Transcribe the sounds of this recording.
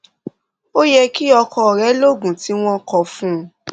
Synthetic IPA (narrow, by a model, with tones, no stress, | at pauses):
o˦jɛ˧ki˦ɔ˧kɔ̃˧˨ɾɛ˨˦lo˦ɡũ˨ti˨˦w̃ɔ̃˦kɔ˧fũ˦